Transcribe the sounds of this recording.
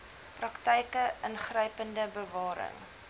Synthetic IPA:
prɐktəjkəʔənχrəjpəndəbəvɑːɾə̰ŋ

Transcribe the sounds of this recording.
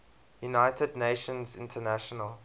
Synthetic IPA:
junaɪtədneɪʃə̃nzɪ̰̃ntʰənæʃɔnəl

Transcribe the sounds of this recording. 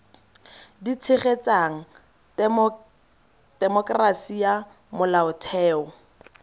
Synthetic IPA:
dit͡sʰɪχet͡saŋ̩ | d̥ɛmɔkʼrasia | mʊlaʊtʰɛːʊ

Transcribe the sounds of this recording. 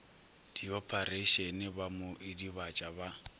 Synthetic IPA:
d̥iɔpʰʼaɾeʃɛnɪbamʊʔɪdiβat͡ʃʼaba

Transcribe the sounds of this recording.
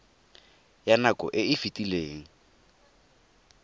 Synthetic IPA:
janakʼɔ̰ʔɪɪfitʼileːŋ̩

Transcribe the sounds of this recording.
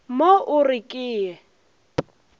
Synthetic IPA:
moʔʊrɪkʼɪːɛ

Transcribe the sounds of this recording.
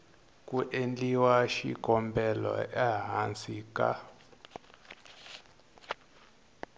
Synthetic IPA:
kʼuʔend͡ɮiwaʃḭkʼɔmbɛlɔ̰ʔaɦant͡sika̰

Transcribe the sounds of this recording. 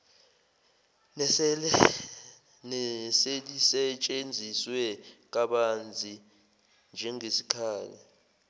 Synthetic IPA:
nselisɛt͡ʃʼend͡zʱiswɛk̬ʼaɓand͡zʱi | nd͡ʒʱɛŋesi̥kʰaːlɛ

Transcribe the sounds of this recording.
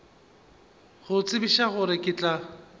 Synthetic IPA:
ɣʊt͡sʼɪbiʃaɣʊɾɪkʼɪt͡ɬʼa

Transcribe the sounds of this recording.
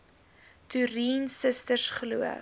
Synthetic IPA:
tyɾiːnsəstərsχəluə̰

